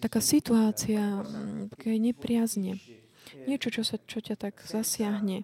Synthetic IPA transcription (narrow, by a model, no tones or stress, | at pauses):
t̪akaːsit̪uaːt͡siat̪ḁkɛɛɲɛpɾɪazɲɛ | ɲɪɛt͡ʃɔt͡ʃɔsat͡ʃɔcat̪aɡz̥asɪaɦɲɛ